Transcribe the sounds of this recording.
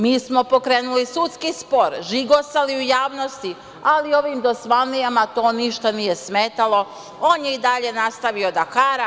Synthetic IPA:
miːsmo̞po̞kɾeːnulisut̪skispo̞ɾʒiɡosaliujaːʋno̞st̪i | alio̞ʋiːmd̪o̞sʋanijamat̪o̞ːniʃt̪anije̞smeːt̪alˠo̞ | oːnjeid̪aʎe̞nast̪aʋio̞d̪akaːɾa

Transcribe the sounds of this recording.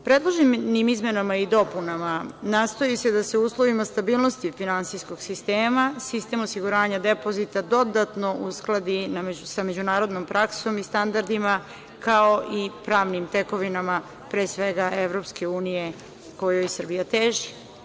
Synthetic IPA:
pɾe̞d̪lˠoʒimnimizmenamaid̪o̞punamanaːst̪o̞jised̪aseuːslˠo̞ʋimast̪abiːlˠno̞st̪ifinansijsko̞ɡsist̪eːmasist̪e̞mosiɡuɾaːɲad̪e̞po̞zit̪ad̪o̞d̪at̪no̞ʔusklˠad̪inamesamed͡ʑunaːɾo̞d̪no̞mpɾʔakso̞mist̪and̪aɾd̪ima | kao̞ʔipɾaːʋnimt̪e̞ko̞ʋinama | pɾeːsʋeɡaʔeʋɾo̞pske̞uːnije̞ | ko̞jojsərbijat̪eːʒi

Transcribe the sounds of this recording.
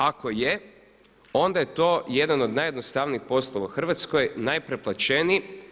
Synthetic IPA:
ako̞je | o̞nd̪aje̞t̪o̞ːjed̪ano̞d̪najed̪nost̪aʋniːxpo̞slˠoʋauxr̩ʋat̪sko̞jnajpɾe̞plˠat͡ʃeni

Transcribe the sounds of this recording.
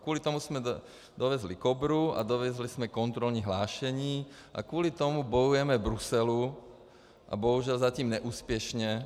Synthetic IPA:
kʊɔlit̪ɔmusmɛ | d̪ɔʋɛzlikɔbɾua̰d̪ɔʋɛzlismɛkɔnt̪ɾɔlɲiɦlaːʃɛɲiː | ʔa̰kʊɔlit̪ɔmubɔjujɛmɛbɾusɛlu | ʔa̰bɔɦuʒɪalzat̪iːmɲɛʔuːspjɛʃɲɛ

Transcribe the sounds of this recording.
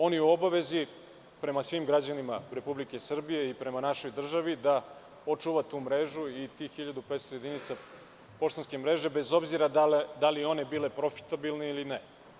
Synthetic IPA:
o̞niuo̞baʋe̞zi | pɾe̞masʋiːmɡɾad͡ʑanimaɾe̞publike̞sr̩bije̞ipɾe̞manaʃo̞jd̪r̩ʒaʋid̪a | o̞t͡ʂuʋat̪uːmɾeʒuit̪ixxiʎad̪upet̪st̪ojed̪init̪sa | po̞ʃt̪anskemɾe̞ʒe̞be̞zo̞bziɾad̪ald̪alio̞nebile̞pɾo̞fi̥t̪abilneiline

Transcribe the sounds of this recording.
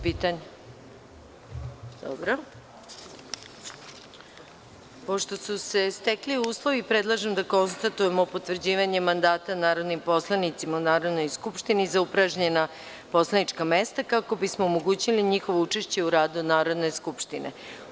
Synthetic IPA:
piːt̪aɲe | d̪̥o̰bɾo | po̞ʃt̪o̞suse̞st̪ekliuːslˠo̞ʋipɾed̪lˠaʒemd̪ako̞nst̪at̪uje̞mopo̞t̪ʋrd͡ʑiːʋaɲe̞mand̪aːt̪anaːɾo̞d̪nimpo̞slˠanit̪simaunaːɾo̞d̪no̞jskupʃt̪inizaupɾaʒɲe̞na | po̞slanit͡ʂkamest̪akako̞bismo̞ːmoɡuːt͡ɕiliɲixo̞ʋo̞ut͡ʂeʃt͡ɕe̞uɾaːd̪unaːɾo̞d̪ne̞skupʃt̪inḛ

